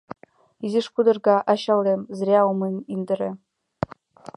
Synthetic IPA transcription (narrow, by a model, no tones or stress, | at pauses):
iziʂpud̪ɤ̆rɡɑʔɑɕɑlemzɾʲæomemind̪ɘ̆ɾʲḛ̆